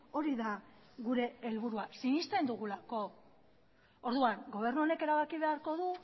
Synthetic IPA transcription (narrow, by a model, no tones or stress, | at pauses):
o̞ɾiða | ɣuɾe̞ːlβuɾuasinist̪e̞nd̪uɣulako̞ | oɾðuaŋɡo̞β̞e̞ɾnuo̞ne̞ke̞ɾaβakiβ̞e̞aɾko̞ðu